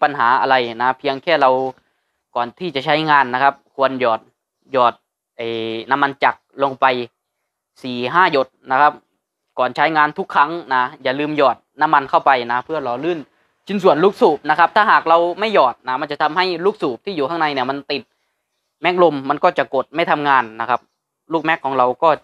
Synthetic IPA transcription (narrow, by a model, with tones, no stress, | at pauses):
pa˧nɦaː˩˦ʔa˧la˧jna˧˦˥pʰi˧əŋkʰɛː˥˩la˧w | kɔː˨˩nt̪ʰiː˧˩t͡ɕa˨˧˩t͡ɕʰa˦˥jŋaː˧nːa˧˥kʰa˦˥p̚kʰu˧ənjɔː˨˩t̪̚ | jɔː˨˩t̪̚ | ʔa˨˩jna˧˥mːa˧nt͡ɕa˨˩k̚lo˧ŋpa˧j | siː˨˩ɦaː˥˩jo˧˦t̪̚na˦˧˥kʰa˦˥p̚ | kɔː˨˩nt͡ɕʰa˦˥jŋaː˧nt̪ʰu˦˥kʰːa˦˥˨ŋna˦˥jaː˨˩lɯː˧mjɔː˨˩t̪̚na˧˥˨mːa˧nkʰa˥˩wpa˧jna˦˥pʰɯ˥˩ɐlɔː˨˩˦lɯː˧˥˩n | t͡ɕʰi˧˥nsu˨˩ənluː˦˧˥k̚suː˨˩p̚na˦˥kʰa˦˥p̚t̪ʰaː˥˩ɦaː˨˩k̚ɾa˧wma˥˩jɔː˨˩t̪̚na˦˥ma˧nt͡ɕa˨˧˩t̪ʰa˧mha˥˩jluː˥˩k̚suː˨˩p̚t̪ʰiː˥˩juː˨˩kʰa˧˥˩na˧jni˧˩əma˧nt̪i˨˩t̪̚ | mɛ˦˥k̚lo˧mːa˧nkɔː˥˩t͡ɕa˨˩ko˨˩t̪̚ma˥˩jt̪ʰa˧mŋaː˧nːa˧˥kʰa˦˥p̚ | luː˥˩k̚mɛ˦˥kʰːɔː˨˦ŋɾa˧wkɔː˥˩